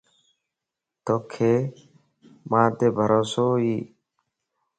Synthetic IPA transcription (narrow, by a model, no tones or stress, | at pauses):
t̪oːkʰːeː | mãːt̪eːbʱəɾʔoːsoːiː